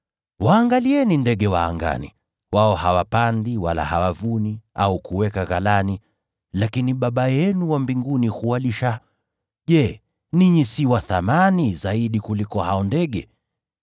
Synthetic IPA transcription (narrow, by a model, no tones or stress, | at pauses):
waːŋɡaliɛnindɛɠɛwa̰ːŋɡa̰nḭ | waɔhawapandiwala̰ha̰wavuniaukuwɛkaɣalani | lakiniɓaɓajɛnuwambiŋɡunihuwaliʃa | ʄɛ | niɲisiwaθamanizaiɗikulikɔhaɔndɛɠɛ